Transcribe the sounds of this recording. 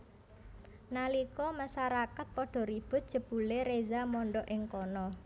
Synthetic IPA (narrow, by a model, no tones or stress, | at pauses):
nalikɔmasaɾakat̪̚pɔɖ̥ɔ̤ɾib̥ʊ̤t̪̚d̥ʒ̥ə̤b̥ṳleɾezamɔɳɖɔʔɪŋkɔnɔ